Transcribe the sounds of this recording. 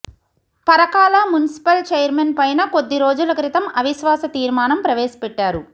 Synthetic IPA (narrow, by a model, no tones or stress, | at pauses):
pɐɾɐkaːlamunisi̥pɐlt͡ʃeːjɐɾmenpɐjnɐko̞d̪ːiɾo̞ːd͡ʒulɐkɾit̪ɐmɐʋiʃʋaːsɐt̪iːɾmaːnɐmpɾɐʋeːsɐ̥pɛʈːaːɾu